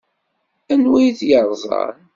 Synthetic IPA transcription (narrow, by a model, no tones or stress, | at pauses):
ænwijθjəɾˤzˤɑ̰n